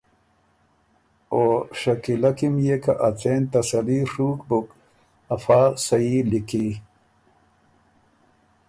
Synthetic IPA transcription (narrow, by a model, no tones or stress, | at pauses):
oʂɐkilakimjeka̰ʔat͡seːnt̪ɐsɐliʂuːkbuk | ɐfaːsɐiliki